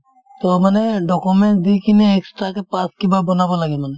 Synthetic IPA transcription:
t̪ɔmanɛdɔkumɛnʈd̪ikinɛːkstɹakɛpãskibabɔnabɔlaɡɛmanɛ

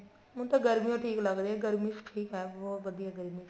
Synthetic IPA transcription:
mũt̪aɡəɾmijõʈʰiːklɐɡd̪eɛ̃ɡəɾmisʈʰiːkɦɛʋoːʋəd̪ijaɡəɾmi

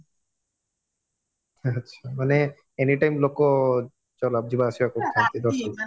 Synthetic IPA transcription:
atːɕʰamane | eniʈajmloko | t͡ɕɔlab̚d͡ʑibaʃibakoant̪id̪ɔɾʃon

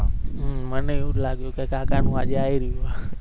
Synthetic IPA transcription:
məneeũlaɡjũkekãkanũad͡ʒeaiɾijua

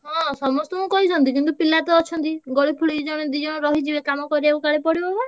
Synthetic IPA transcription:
ɦɔ̃sɔmɔst̪ɔmũkɔɦit͡ʃʰɔnt̪ikint̪upilat̪ɔɔt͡ʃʰɔnt̪iɡoɽipʰuɭid͡ʒɔɽ̃ed̪id͡ʒɔɽ̃ɔɾɔɦid͡ʒibekamɔkɔɾeeukaɭepɔɽibɔba

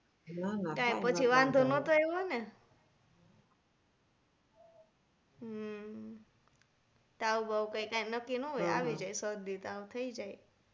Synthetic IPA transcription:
nakãjpət͡ʃʰiʋãnd̪ʱonot̪oeɦɔne | ɦ | t̪aubaʋkãjkãjnəkːinoɦoja̰ʋid͡ʒajsəd̪it̪aut̪ʰəid͡ʒaj

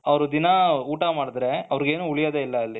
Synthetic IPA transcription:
ɐʋɐɾud̪inɐuːʈamaːɽid̪ɾe̞ɐʋɐɾiɡe̞ːnuːuɭijaːd̪eilːɐːlːi

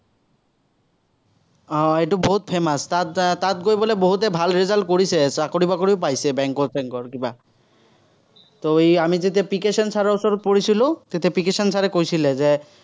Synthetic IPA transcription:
ɔeʈuboɦut̪̚pʰemast̪at̪t̪at̪̚ɡojboleboɦut̪ebʱalɾizalɖ̚koɾisʰesakoɾibakoɾipajsebɛŋkɔɾseŋkɔɾkiba | t̪oejamid͡ʑit̪̬epikeʃɔnsʰaɾeosɔɾt̪̚poɾit͡ɕʰilot̪et̪epikeʃansʰaɾekojt͡ɕʰiled͡ʑe

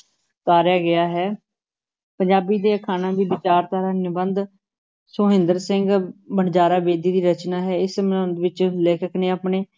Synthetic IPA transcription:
k̪aːɾjaːɡɪaːɦɛː | pəɲd͡ʒaːbiːd̪eːkʰaːnãːbiːbɪt͡ʃaːɾt̪aːɾəːnjəbənd̪ | soːɦɪ̃nd̪əɾsɪ̃ŋɡbəɳd͡ʒaːɾaːʋeːd̪iːd̪iːɾət͡ʃnaːɦɛːɪsmənə̃nd̪ʋɪt͡ʃleːkəkneːaːpneː

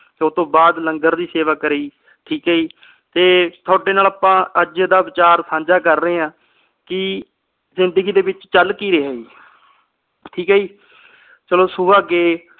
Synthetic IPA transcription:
t̪eːʊt̪õːbaːd̪ləŋɡəɾd̪iːseːʋaːkəɾiː | ʈʰiːkɦəːiː | t̪eːt̪ʰʊaːɖeːnaːlaːpãːəd͡ʒəd̪aːʋɪt͡ʃaːɾsãːɲd͡ʒaːkəɾːəeːãː | kɪ | zɪnd̪əɡiːd̪eːbɪt͡ʃt͡ʃəlkiːɾeːɦəːiː | ʈʰiːkɦəːiː | t͡ʃəloːsuːaːɡeː

